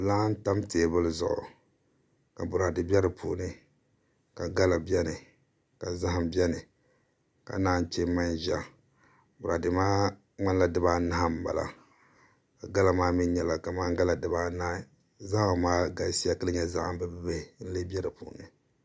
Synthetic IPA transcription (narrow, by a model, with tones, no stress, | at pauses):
laː˦n˦ta˦mteː˨bɨ˦lɨ˦zʊ̰˨ʔʊ̰˨ | ka˨bʊ˨ɾa˨dɨ˨bʲɛ˦ɾɨ˨pʰṵː˨˦nɨ˦ | ka˨ɡa˦la˨bɛ˦nɨ˨ | ka˨za˦ɦa˨mbi˦ɛ˦nɨ˨ | ka̰˨˦naː˦˨n˦t͡ʃe˦ma˦nʒa̰˦ | bʊ˨ɾa˨dɨ˨maː˦ | ŋ͡ma˦nla˦dɨ˦ba˦na˦ha˦m̩˨ba̰˨la̰˨ | ka˨ɡa˦la˨˦maː˦mi˦n˦ɲɛ˨la˨ka˨ma˦ŋ˦ɡa˦la˨dɨ˨ba˦na˦hɪ˨ | za˦ho˨maː˦ɡa˨lsi˦a˦ka˦lɨ˦ɲɛ˦za˦ʔm˦bɨ˦bɨ˦be˦˨n̩˦lɨ˦bɛ˦ɾɨ˨pṵ˨nɨ̰˨